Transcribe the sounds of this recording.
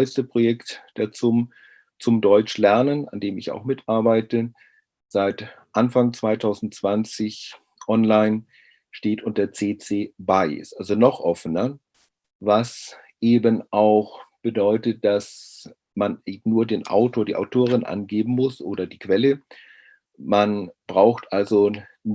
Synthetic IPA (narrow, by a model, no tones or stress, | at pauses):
ɔɪstəpʁ̥ojɛktd̥eːɐt͡sʊm | t͡sʊmdɔʏt͡ʃlɛɐnəna̰ndeːmɪça̰ʊxmɪtʔaɐbaɪtə | z̥aɪtʔanfaŋt͡sv̥aɪtʰaʊzn̩tt͡sv̥ant͡sɪç | ʔɔnlaɪn | ʃteːtʊnt̚d̥eːɐt͡seːt͡seːbaɪɪ̰sʔalzonɔχʔɔfənɐ | vas | ʔeːbənʔaʊxb̥ədɔʏtət̚d̥as | manːnuːɐdeːnʔa̰ʊtʰoːɐdiːʔa̰ʊtʰoːʁ̞ɪnʔa̰nɡeːbm̩mʊsʔoːɾɐdiːkv̥ɛlə | manb̥ʁaʊxtʔalzo